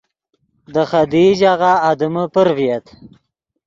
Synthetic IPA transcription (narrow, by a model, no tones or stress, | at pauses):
d̪əxad̪id͡ʒaɣaːd̪əməpəɾvijat̪